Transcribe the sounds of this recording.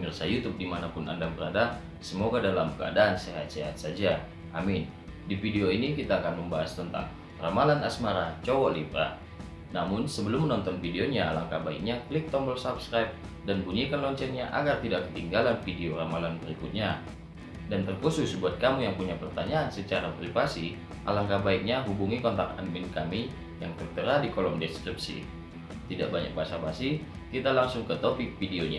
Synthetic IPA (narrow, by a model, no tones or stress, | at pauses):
mirsajut̪ʊp̚dimanapʊna̰ndaŋbəɾada | səmoɡadalamkəa̰daːnsɛɦa̰t̪̚sɛɦat̪̚sad͡ʒa | ʔamɪn | difideoinikit̪aːkanməmbaɦast̪ənt̪a̰ŋ | ramalanasmaɾat͡ʃowalibɾa̰ | namʊnsəbəlʊmːənɔnt̪ɔnfideoɲalaŋkabaḭkɲaklɪk̚t̪ɔmbəlsapskɾajp̚ | danbunikanlɔɲt͡ʃɛnɲaʔa̰ɡart̪idaʔkə̥t̪iŋɡalanfideoramalanbəɾikʊt̪̚ɲa | dant̪ərkusʊsbuat̪̚kamujaŋpuɲapərt̪aɲaːnsət͡ʃaɾapɾifasi | ʔa̰laŋkabaik̚ɲaɦubuŋikɔnt̪ak̚a̰nmɪnkami | jaŋt̪ərt̪əɾadikolɔmdɛskɾip̚sḭ | t̪ida̰ʔbaɲa̰k̚basabasi | kit̪alaŋsʊŋkət̪opɪk̚fideoɲa̰